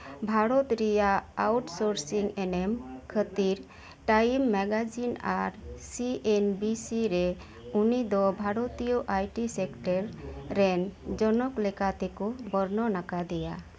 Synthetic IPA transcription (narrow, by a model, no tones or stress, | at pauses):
bʱaɾɔt̪ɾijaawʈsoɾsiŋɛnɛmkʰət̪iɾ | ʈajmːɛɡad͡ʒina̰ɾsiʔenbisiɾɛ | unid̪ɔbʱaɾɔt̪ijɔʔajʈisɛkʈəɾːɛnd͡ʒɔnɔklɛkat̪ɛkubɔɾnɔnakad̪ɛja